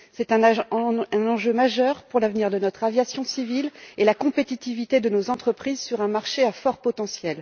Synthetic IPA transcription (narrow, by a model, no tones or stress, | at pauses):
sɛt̪ɛ̃ | ɛ̃nɑ̃ʒømaʒœʁpuʁlavniʁd̪ənɔt̪χavjasjɔ̃sivilelakɔ̃pet̪it̪ivit̪ed̪ənozɑ̃t̪χəpχizsyʁɛ̃maʁʃeafɔʁpɔt̪ɑ̃sjɛl